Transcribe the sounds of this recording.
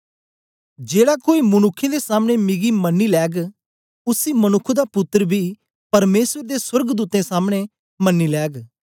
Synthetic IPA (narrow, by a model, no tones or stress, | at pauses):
d͡ʒeːɽaːkoːiːmʊnʊkʰːẽd̪esaːmɽ̃emɪɡiːmənːiːlɛːɡ | ʊsiːmənʊkʰːd̪aːpʊt̪ːəɾbʱiː | pɐɾmeːswəɾd̪eːswəɾɡd̪uːt̪ẽːsaːmɽ̃e | mənːiːlɛːɡ